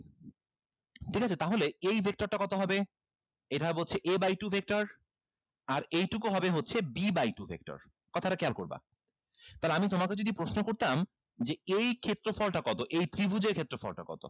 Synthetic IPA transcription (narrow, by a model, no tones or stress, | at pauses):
ʈʰikat͡ɕʰet̪aɦoleejbʱek̚ʈoɾʈakɔt̪oɦɔbe | ejʈaɦɔbebot͡ɕʰeʔebajʈubʱek̚ʈaɾ | aɾejʈukoɦɔbeɦotːɕʰebibajʈubʱḛk̚ʈo̰ɾ | kɔt̪ʰaɾakɛalkoɾba̰ | t̪aleamit̪omaked͡ʑod̪ipɾoʃnokoɾt̪am | d͡ʑeejkʰet̪ːɾofɔlʈakɔt̪oʔejt̪ɾibʱud͡ʑeɾkʰet̪ːɾofɔ̰lʈa̰kɔ̰t̪o̰